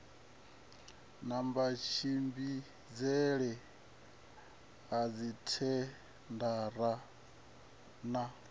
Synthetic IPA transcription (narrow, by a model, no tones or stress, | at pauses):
nambat͡ʃʰimbi | d͡zɛɺɛ | ad͡zitʰɛ | ndaɾa | na